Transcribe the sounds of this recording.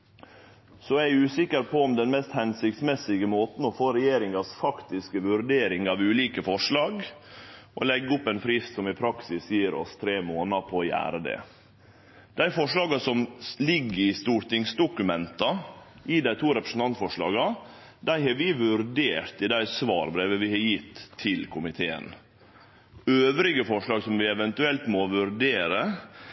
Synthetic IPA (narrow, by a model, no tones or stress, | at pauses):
sɔæʉːsɪkəɾpʰɔɔmd̪ɛnmɛst̪hɛnsɪkt̪smɛsɪɡəmoːt̪n̩ɔfoːɾɛjeːɾɪŋɑsfɑkt̪ɪskəʋʉɾd̪eːɾɪŋɑʋʉːliːkəfɔʂɭɑːɡ | ʔɔ̰lɛɡːʊpːɛnpʰɾiːssɔmɪpʰɾɑksɪsjiːəɾɔ̰st̪ʰɾeːmoːnɑpʰɔːjæ̰ːɾəd̪ɛ̰ | d̪̥æɪfɔʂlɑːɡɑsɔmlɪɡːɪst̪uːɾʈ̪ɪŋsd̪ʊkʉmɛnt̪ɑ | ʔɪd̪æɪt̪ʰuːɾɛpɾəsn̩t̪ʰɑnt̪fɔʂɭɑ̰ːɡɑ | d̪æɪɦɑɾʋɪʋʉɾɖ̪eːɾt̪ɪd̪æɪsʋɑːɾbɾeːʋəʋɪhɑjɪt̪ʰːɪlkʰʊmɪt̪ʰeːə̰n | øːʋɾɪɡəfɔʂɭɑːɡsɔmʋɪɛʋɛnt̪ʉɛlt̪moʋʉɾɖeːɾə